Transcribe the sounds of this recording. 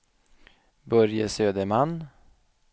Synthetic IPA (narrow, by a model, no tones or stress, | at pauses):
bœɾjəsøːd̪əɾmanː